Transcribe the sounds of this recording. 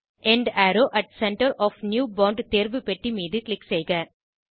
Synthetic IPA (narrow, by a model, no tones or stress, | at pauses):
ɛɳɖæːɾoːʔɐʈ̚sɛɳʈɐɾɔːfnjuːbɔːɳɖt̪eːɾʋɯpɛʈːimiːðɯklɪksejɣaːɾ